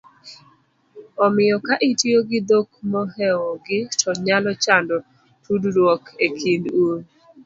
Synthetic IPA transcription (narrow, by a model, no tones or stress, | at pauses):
ɔmɪjɔkaʔɪtjoɡɪd̪ok̚mɔɦɛwɔɡɪtʰɔɲalɔt͡ʃandɔ | tudɾwɔkekʰinduɾ